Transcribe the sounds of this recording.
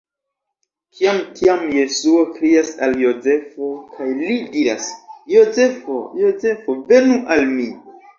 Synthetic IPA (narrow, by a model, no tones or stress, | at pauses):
kʰiamkʰiamje̞suo̞kɾiasaljo̞ze̞fo̞kʰajlidiɾa̰sjo̞ze̞fo̰jo̞ze̞fove̞nuʔalmi